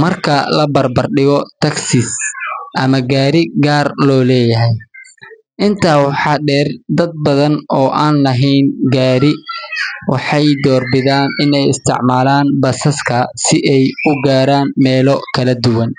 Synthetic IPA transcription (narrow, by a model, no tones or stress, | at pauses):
mɐrkʰɐlɐbɐrbɐrɖɪɣɔt̪ʰɐksɪsʔɐmɐɡaːɾɪɡaːrlɔːlɛːjɐɦɛj | ʔɪnt̪ʰaːwɑħɑːɖɛːrd̪ɐd̪̚bɐðɐnɔːʔaːnlɐɦɛjnɡaːɾɪ | wɑħɑjd̪ɔːrbɪðaːnɪnɛjɪst̪ʰɪ̰ʕmaːlaːnbɐsɐskʰɐsɪʔɛjʊɡaːɾaːnmɛːlɔkʰɐlɐd̪ʊwɐn